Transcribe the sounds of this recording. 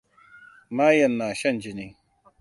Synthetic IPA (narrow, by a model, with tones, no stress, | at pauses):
maː˦jɐ˨nːaː˨ɕɐ˦nd͡ʒi˨ni˦